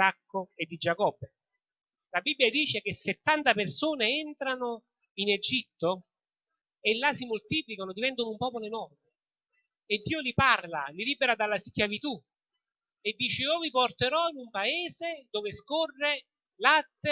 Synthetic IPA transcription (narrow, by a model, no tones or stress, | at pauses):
akːʊed̪ːid͡ʒakɔbːe | labibːjad̪iːt͡ʃek̟eset̪ːant̪apersoːneɛnt̪ɾanʊ | ined͡ʒit̪ːo | elːasimʊlt̪iːplikanod̪ivɛnt̪ʊnʊumpɔːpoloenɔrmɪ | ed̪ːiːoliparlaliliːbeɾad̪alːaskjavit̪u | ed̪ːiːt͡ʃɪiːviport̪eɾɔinumpaɛːzed̪oːveskɔrːe | lat̪ːe